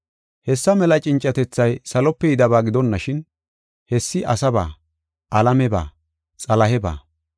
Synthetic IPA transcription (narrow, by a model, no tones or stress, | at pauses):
hɛsːɐmɛlɐt͡ʃʼɪnt͡ʃʼːɐt̪ɛt͡sːɐjsɐlɔpːɛjɪd̪ɐbaːɡɪd̪ɔnːɐʃɪn | hɛsːɪʔɐsɐba̰ː | ʔɐlɐmɛba̰ː | t͡sʼɐlɐɦɛba̰ː